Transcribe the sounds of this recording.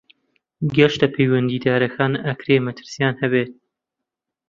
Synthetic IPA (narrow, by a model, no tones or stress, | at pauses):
ɡɐʃt̪ɐpʰejwɐnd̪iːd̪aːɾɐkʰaːnɐkɾeːmɐt̪ʰɨ̥ɾsijaːnhɐβeːt̪̚